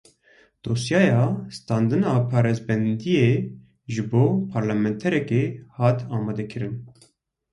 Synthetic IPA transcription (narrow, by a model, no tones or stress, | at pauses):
d̪̥oːsjɑːjɑːst̪ɑːnd̪ɨnɑːpʰɑːɾezbɛnd̪ijeː | ʒɨboːpʰɑːɾlɑmɛnt̪ʰɛɾɛkeːhɑːt̪ʰɑːmɑːd̪ɛkʰɨɾɨn